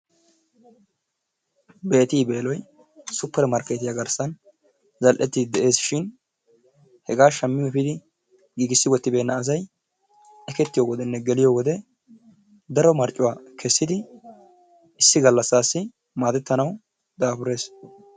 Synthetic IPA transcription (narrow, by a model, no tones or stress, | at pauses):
be̞ːt̪iːbe̞ːlɔj | sʊpːɛɾɛmɐɾkɛt̪ɪjaɡɐɾsɐn | zɐlʔɛt̪ːɪd̪ɪd̪ɛʔe̞ːsʃɪn | hɛɡaːʃɐmːɪjɛfɪd̪ɪ | ɡiːɡɪsːɪwɔt̪ːɪbe̞ːnːɐːzɐj | ɛkɛt̪ːɪjoːɡɔd̪ɛnːɛɡɛlɪjoːɡɔd̪ɛ | d̪ɐɾɔmɐɾt͡ʃʼːʊwaːkʰɛsːɪd̪ɪ | ɪsːɪɡɐlːɐsːaːsːɪ | maːd̪ɛt̪ːɐnɐw | d̪aːfʊɾe̞ːs